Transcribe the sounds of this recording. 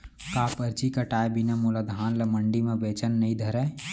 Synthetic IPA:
kaːpəɾt͡ʃikaʈaːjbinamulad̪ʱaːnlɐməɳɖimẽbeːt͡ʃənːəɦĩd̪ʱəɾɛ

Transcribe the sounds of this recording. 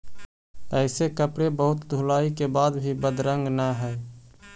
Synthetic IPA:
ɛːsekəpɽebəɦʊt̪d̪ʱulaːikebaːd̪bʱibəd̪ɾə̃ŋɡnaɦɛː

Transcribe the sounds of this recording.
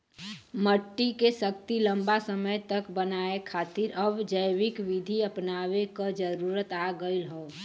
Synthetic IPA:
məʈːikesək̚t̪ilə̃mbasəməjt̪əkbənaːekʰaːt̪ɪɾəbd͡ʒəjʋɪkʋɪd̪ʱiəpnaːʋekad͡ʒəɾuːɾət̪aːɡəilɦoː

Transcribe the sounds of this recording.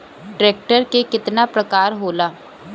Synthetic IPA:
ɖɾeːk̚ʈəɾkekɪt̪napɾəkaːɾɦoːlaː

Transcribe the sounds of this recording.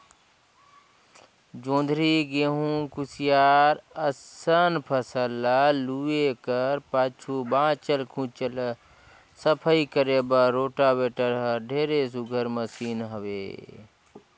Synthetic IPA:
d͡ʒõːnd̪ʱɾiɡeɦũkusijaːɾəsənpʰəsəlaluekəɾpaːt͡ʃʰubãːt͡ʃəlkʰũt͡ʃəl | səpʰəikəɾebəɾoːʈabeːʈəɾɦəɖʱeːɾes̬uɡʱəɾməsiːnɦəʋḛː

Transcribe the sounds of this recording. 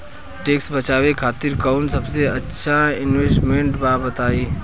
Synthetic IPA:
ʈeːksbət͡ʃaːʋekʰaːt̪iɾkaʊnsəbseətːʃʰaɪnʋeːsʈmeɳʈbaːbət̪aːiː

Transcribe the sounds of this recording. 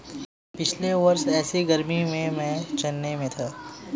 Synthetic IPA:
pɪt͡ʃʰleʋɐɾsɛːsiɡɐɾmimẽmɛ̃ːt͡ʃɐnːemẽt̪ʰaː

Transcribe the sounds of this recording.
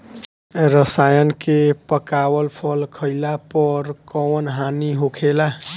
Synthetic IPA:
ɾəsajənkepəkawəlpʰəlkʰəɪlapəɾkəwənɦaniɦokʰela

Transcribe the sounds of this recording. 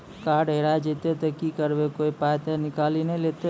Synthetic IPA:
kaːɾɖeːɽad͡ʒeːt̪et̪ekikəɾbekoːipaːjt̪enɪkaːlinẽleːt̪e

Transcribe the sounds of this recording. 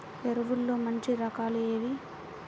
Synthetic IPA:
peɾuʋulːoːmɐɲt͡ʃiɾɐkaːlueːʋi

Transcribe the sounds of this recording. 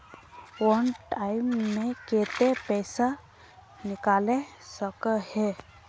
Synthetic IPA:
wɔnʈaːɪmːẽkeːt̪epɛːsa | nɪkaːlesəkəhɛː

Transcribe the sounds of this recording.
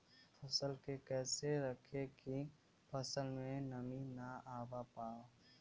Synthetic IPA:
pʰəsəlkekɛːseɾəkʰeki | pʰəsəlmẽnəminaaːwapaːo

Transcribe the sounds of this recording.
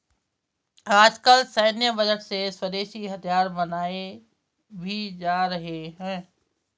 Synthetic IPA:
aːd͡ʑkəlsɐɪnijəbɐd͡ʑəʈseswɐd̪eːʃiɦɐt̪ʰijaːɾbɐnaːe | bʱid͡ʑaːɾɐɦeɦɛ̃ː

